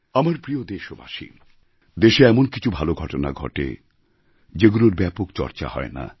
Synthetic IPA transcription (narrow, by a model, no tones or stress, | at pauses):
amaɾpɾiod̪eʃoba̰ʃḭ | d̪eʃeɛmonki̥t͡ɕʰubʱaloɡʱɔʈona̰ɡʱɔ̰ʈḛ | d͡ʑeɡuɾoɾbɛpokt͡ɕɔ̰ɾt͡ɕa̰hɔ̰ena̰